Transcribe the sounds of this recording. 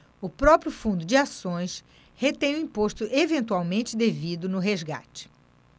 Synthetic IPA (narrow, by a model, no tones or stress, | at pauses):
ʊpɾɔpɾjʊfũnd̪ʊd͡ʒɪasõj̃s | het̪ẽj̃ʊĩpoʃt̪ʊʔevẽnt̪uawmẽnt͡ʃɪd̪evid̪ʊnʊɦezɡa̰t͡ʃɪ̥